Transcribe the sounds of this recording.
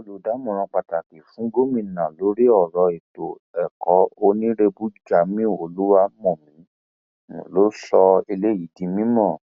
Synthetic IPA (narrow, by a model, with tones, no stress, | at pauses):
o˦lo˨˦da˨˦mɔ̃˨ɾ̃ã˧k͡pa˨ta˨ki˨fũ˨˦ɡo˦mĩ˧˨nã˨lo˨˦ɾi˦ɔ˦˨ɾɔ˧e˨to˨ | ɛ˨kɔ˨˦o˧nĩ˦ɾe˧bu˦d͡ʒa˨˦mĩ˦˨o˨lu˦wa˦mɔ̃˦˨mĩ˨˦ | nṵ̃˨lo˦sɔ˧e˧le˦ji˨˦dĩ˧mĩ˦mɔ̃˦˨